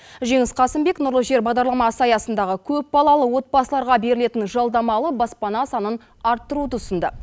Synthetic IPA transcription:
ʒe̞ŋɪsqʰɑsɪmbe̞knʊɾlˠʒe̞ɾbɑʁd̪ɑɾlˠɑmɑsəɑjɑsənd̪ɑʁəkʲʰɵp̚bɑlˠɑlˠəwo̞t̪̚pɑsəlˠɑɾʁɑbe̞ɾɪle̞t̪ɪnʒɑlˠd̪ɑmɑlˠəbɑspɑnɑsɑnən | ɑɾt̪ːəɾut̪ʊsənd̪ə

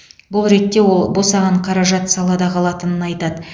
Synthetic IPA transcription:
bʊlˠɾe̞t̪ːe̞wo̞lˠbosɑʁɑɴqʰɑɾɑʒɑt̪sɑlˠɑd̪ɑqʰɑlˠɑt̪ənənɑjt̪ɑd̪ə

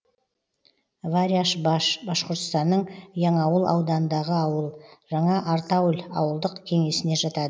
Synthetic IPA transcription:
vaɾʲjabbɑʃqoɾt̪st̪ɑnːəɴjɑɴɑwəlˠʔɑ̰wd̪ɑnnd̪ɑʁəɑwəlˠʒɑɴɑʔɑɾt̪ɑwlʲɑ̰wəlˠd̪əqkʲʰe̞ŋe̞sɪne̞ʒɑt̪ɑd̪ə

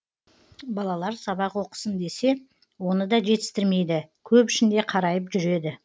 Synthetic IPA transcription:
bɑlˠɑlˠɑɾsɑβɑqwo̞qə̥sənd̪e̞se̞ | wo̞nəd̪ɑʒe̞t̪ɪ̥st̪ɪɾme̞jd̪ɪkʲʰɵpɪʃɪnd̪e̞qʰɑɾɑjəpʒʏɾe̞d̪ɪ

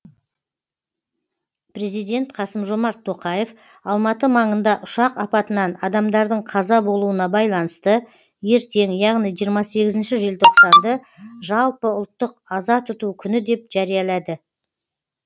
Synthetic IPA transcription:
pɾe̞zijd̪ʲe̞nt̪qʰɑsəmʒomɑɾt̪ʰːo̞qɑje̞f | ɑlˠmɑt̪əmɑɴənd̪ɑʔʊʃɑqɑpɑt̪ənɑnɑd̪ɑmd̪ɑɾd̪əɴqʰɑzɑbo̞lˠuənɑbɑjlˠɑnəst̪ə | je̞ɾt̪ʰe̞ŋjɑʁnijʒijəɾmɑse̞ɡʲɪzɪnʃɪʒelt̪ʰoqsɑnd̪əʒɑlˠpəʊlˠt̪ːəqɑzɑt̪ʰʊt̪ukʲʰʏnɪd̪e̞p̚ʒ̥ɑɾijɑlˠɑd̪ə

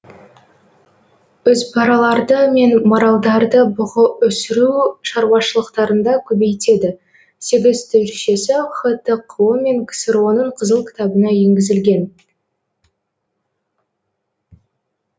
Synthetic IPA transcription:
ʏzpʰɑɾɑlˠɑɾd̪əme̞nmɑɾɑlˠd̪ɑɾd̪əbʊʁəʔʏsɪɾuʃɑɾwɑʃəlˠəqt̪ɑɾənd̪ɑkʲʰɵbe̞jt̪e̞d̪ɪ | se̞ɡʲɪzt̪ʰʏɾʃe̞sɪχət̪əqʰəme̞ŋkʲʰɪ̥sɪɾo̞nəɴqʰəzəlˠkʲʰɪ̥t̪ɑbənɑje̞ŋɡʲɪzɪlɡʲe̞n

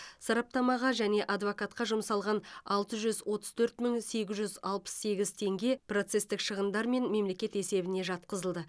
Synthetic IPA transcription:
sɑɾɑp̚t̪ɑmɑʁɑʒæne̞ʔɑd̪vokɑt̪qɑʒʊmsɑlˠʁɑnɑlˠt̪əʒʏzwo̞t̪ə̥z̥t̪ʰɵɾt̪məŋse̞ɡʲɪzʒʏzɑlˠpə̥sːe̞ɡʲɪzt̪ʰe̞ŋɡʲe̞pro̞t̪se̞st̪ɪkʃəʁənd̪ɑɾme̞nme̞mle̞kʲe̞t̪e̞se̞bɪne̞ʒɑt̪qəzəlˠd̪ə

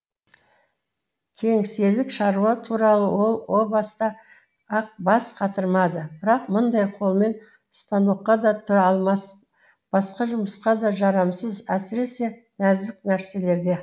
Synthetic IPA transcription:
kʲʰe̞ŋse̞lɪkʃɑɾuɑt̪ʰuɾɑlˠəwo̞lˠwo̞bɑst̪ɑ | ɑq̚bɑsqʰɑt̪əɾmɑd̪əbɪɾɑq̚mʊnd̪ɑjqʰo̞lˠme̞n | ʊ̥st̪ɑnuqːɑd̪ɑt̪ʰɑlˠmɑs | b̥ɑsqɑʒʊməsqɑd̪ɑʒɑɾɑmsəzæsɪɾe̞se̞ | næzd̪ɪk̚næɾse̞le̞ɾɡʲe̞

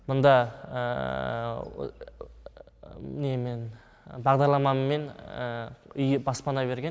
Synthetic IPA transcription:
mʊnd̪ɑ | nemen | bɑʁd̪ɑɾlˠɑmɑmmːe̞n | ʏjəbɑspɑnɑbe̞ɾɡʲen

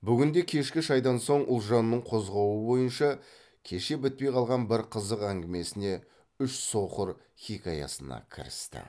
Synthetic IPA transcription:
bʏɡʲɪnd̪e̞kʲʰe̞ʃkʲɪʃɑjd̪ɑnso̞ɴʊlˠʒɑnːəɴqʰo̞zʁɑwəbo̞jənʃɑ | kʲʰe̞ʃe̞bɪt̪̚pe̞jqʰɑlˠʁɑnbɪɾqʰəzəqæŋɡʲɪme̞sɪne̞ | ʏʃso̞qəɾ | χʲikʲɑjɑ̰sənɑ̰kʲʰɪ̰ɾɪ̰st̪ɪ̰

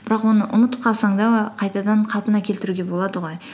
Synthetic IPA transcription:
b̥ɪɾɑqwo̞nəʔʊnət̪əp̚qʰɑlˠsɑɴd̪ɑwoqʰɑjt̪ɑd̪ɑɴqʰɑlˠpənɑkʲʰelt̪ɪɾuɡʲe̞bolˠɑd̪əʁo̞j

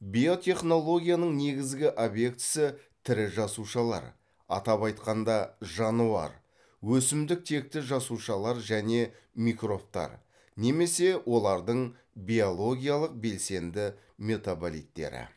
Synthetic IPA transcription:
bijo̞t̪ʲe̞χno̞lˠo̞ɡʲijanəɴne̞ɡʲɪzɡʲɪʔo̞bje̞k̚t̪ɪ̥sɪt̪ʰɪɾɪʒɑsuʃɑlˠɑ̰ɾ | ɑ̰t̪ɑpɑjt̪qɑnd̪ɑʒɑnuɑ̰ɾ | wɵsɪmd̪ɪk̚t̪ʰe̞k̚t̪ɪʒɑsuʃɑlˠɑɾʒæne̞ | mikro̞pt̪ɑ̰ɾ | ne̞me̞se̞wʔo̞lˠɑɾd̪əɴ | bijo̞lˠo̞ɡʲijalˠəq̚be̞lse̞nd̪ɪ | me̞t̪abolḭt̪ːe̞̰ɾɪ̰

